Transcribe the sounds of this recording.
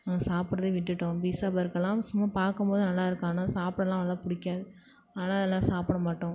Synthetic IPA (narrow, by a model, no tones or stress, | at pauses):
ɐŋɡɐsaːpɪɾɐðɯʋɪʈːɯʈːʊ̃biːsaːpɐɾɯkːɐlːãːsʊmːɐpaːɾkɯmpoːðɯnɐlːaːɪɾɯkːaːnasaːpɽɛlːãːʋɐɐlãːpʊɽɪkʲːaːðɯ | ɐlaːɛlːãːsaːpɐɽɐmaːʈːʊ̃